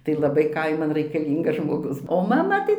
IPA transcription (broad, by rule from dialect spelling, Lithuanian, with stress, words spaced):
tɐɪ lˠɐˈbɐɪ ˈkɐɪmɐn rɐɪkɐˈlʲiːŋɡɐs ʒmoːˈɡʊs oː mɐˈmɐ tɐɪ